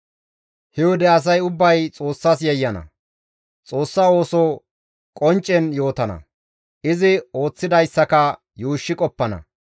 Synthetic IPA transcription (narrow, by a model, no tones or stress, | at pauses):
hɛwɔd̪ɛɐs̬ɐjʊbːɐjt͡sʼo̞ːsːɐs̬jɛjːɐnɐ̰ | t͡sʼo̞ːsːɐo̞ːsɔ | kʼɔnt͡ʃʼːɛnjoːt̪ɐnɐ̰ | ʔɪzɪo̞ːt͡sːɪd̪ɐjsːɐkɐ | juːʃːɪkʼɔpːɐnɐ̰